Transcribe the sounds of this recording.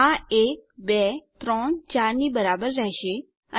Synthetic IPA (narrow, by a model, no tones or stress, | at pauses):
ãeːk̚bɛt̪ɾɔːɳt͡ɕaːɾnibəɾaːbəɾːəɦʃe | ə